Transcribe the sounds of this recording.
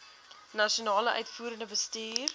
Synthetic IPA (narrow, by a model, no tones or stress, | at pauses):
nɐʃionɑːləʔœ̰ɥtfuːɾənəbəstiːr